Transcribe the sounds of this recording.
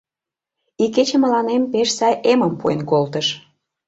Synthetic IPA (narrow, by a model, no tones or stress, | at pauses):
ikːet͡ɕĕmə̆lɑnempeʃsɑjʔeməmpuenkolt̪əʃ